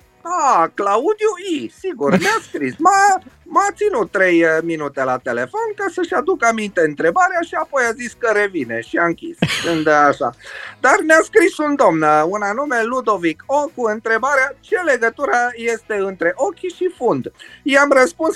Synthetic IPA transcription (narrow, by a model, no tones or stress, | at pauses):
aklaud̪ijuisiɡurmeaskɾisməmat̪sinut̪ːɾe̞jminut̪e̞lat̪e̞le̞fo̞nkasəʃʲad̪ukamint̪e̞ɨnt̪ɾe̞baɾeaʃiapo̞jaziskəɾe̞vine̞̰ʃiaɨŋkʲḭskɨnd̪aʃa̰d̪armeaskɾisund̪o̞mnəunanume̞lud̪o̞vikʰokuɨnt̪ɾe̞baɾeat͡ʃe̞le̞ɡət̪uɾaje̞st̪e̞ɨnt̪ɾe̞ʔo̞kʲiʃifund̪jeamrəspuns